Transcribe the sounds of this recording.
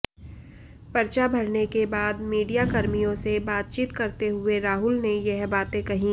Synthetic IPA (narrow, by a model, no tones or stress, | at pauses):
pɐɾt͡ʃabʱɐɾnekebaːd̪miːɖijakɐɾmijõsebaːt̪̚t͡ʃiːt̪kɐɾt̪eɦʊeɾaːɦʊlnejɛɦbaːt̪ẽkɐɦĩ